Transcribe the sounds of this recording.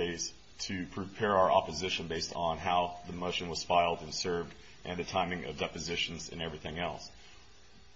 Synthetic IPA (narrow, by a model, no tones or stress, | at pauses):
eɪz̥ | tʰɨpʰɹ̥ɨpʰɛɹaʊə˞ʔɑ̰pəzɪʃɨ̃nbeɪstn̩ɦaʊðəmoʊʃɨ̃n̩wʌz̥sfaɪlˠdɨ̃n̩sɜ˞vd | ʔɨ̃nðɨtʰãɪ̃mɪ̃ŋʌ̰vdɛpɨzɪʃn̩zɨ̰̃nɛvɹiθɪ̃ŋɛ̰lˠs